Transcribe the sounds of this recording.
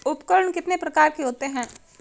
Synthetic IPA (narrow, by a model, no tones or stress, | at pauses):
ʊpkəɾəɳkɪt̪nepɾɐkaːɾkeɦoːt̪eɦɛ̃ː